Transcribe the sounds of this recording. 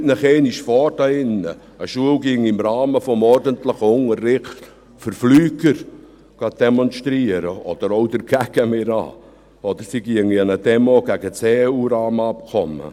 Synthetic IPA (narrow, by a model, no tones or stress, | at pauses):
tnəχɛɪniʃfɔːrdɑɪnːə̰ | əʃuəlɡɪŋɪmɾɑːməfɔmɔɾdənt̪ləχʊŋərːɪχt | fəɾflyːɡ̥əɾ | ɡ̥ɑd̥ɛmɔnʃt̪ɾiəɾəɔd̪̥əɾoʊd̪əɾɡ̥æɡ̥əmɪɾɑ̰ː | ɔd̪əɾsiɡ̥iəŋiɛnədɛmoɡ̥æɡət͡seuːɾɑːmɑp̚kʰɔmːə̰